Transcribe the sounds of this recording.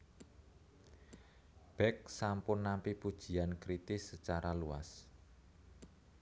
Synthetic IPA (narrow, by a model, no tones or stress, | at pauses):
b̥ɛk̚sampʊnːampipud̥ʒ̥i̤ankɾit̪ɪsːət͡ʃaɾalua̰s